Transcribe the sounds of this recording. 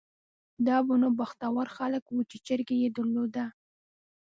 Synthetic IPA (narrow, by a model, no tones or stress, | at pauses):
d̪ɑbʊnobaxt̪awaɾxaləkwut͡ʃet͡ʃəɾɡejed̪aɾlod̪a